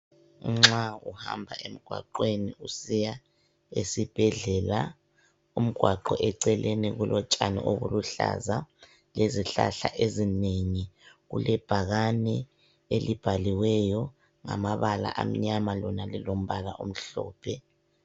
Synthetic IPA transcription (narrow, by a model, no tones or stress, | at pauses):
ŋ͡ǁauha̰mbʱa̰ʔem̩ɡ̥ʱwa̰ǃweniusija | esib̥ʱɛɮɛla | um̩ɡ̥ʱwaǃɔʔɛǀɛlʔeniɣulʔɔt͡ʃʼanḭʔoɣuluɬa̰za | leziɬa̰ɬaʔezineŋiɣṵlɛb̥ʱaɣanɛ | elib̥ʱaliwɛjɔ | ŋa̰maβala̰ʔam̩ɲamalɔnalilom̩βalaʔum̩ɬɔːpʰɛ